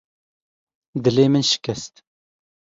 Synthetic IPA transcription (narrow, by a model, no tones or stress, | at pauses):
d̪ɨleːmɨnʃɪ̥kʰʲɛst̪